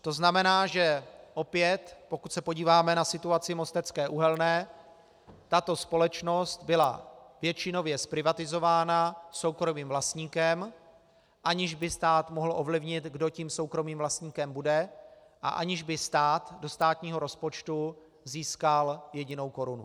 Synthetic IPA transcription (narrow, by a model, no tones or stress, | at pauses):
t̪o̞znamɛnaːʒɛʔo̞pjɛt̪po̞kuc̪sɛpoɟiːvaːmɛnasɪt̪uat͡sɪmo̞st̪ɛt͡skɛːʔuɦɛlnɛː | t̪at̪o̞spo̞lɛt͡ʃno̞st̪bɪla̰vjɛt͡ʃɪno̞vjɛspɾɪvat̪ɪzo̞vaːnaso̞wkɾo̞miːmvlast̪ɲiːkɛm | ʔaɲɪʒbɪst̪aːt̪moɦl̩ʔo̞vlɪvɲɪt̪ɡdo̞ciːmso̞wkɾo̞miːmvlast̪ɲiːkɛmbudɛ | ʔa̰ʔa̰ɲɪʒbɪst̪aːt̪do̞st̪aːt̪ɲiːɦo̞ɾo̞spot͡ʃt̪u | ziːskaljɛɟɪno̞wko̞ɾunu